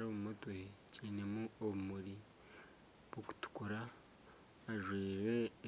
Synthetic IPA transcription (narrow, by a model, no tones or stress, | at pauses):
ɾoβumutwecʰiːne̞muoβumuɾi | β̥woku̥tu̥kuɾaː | ʒwiːɾe̞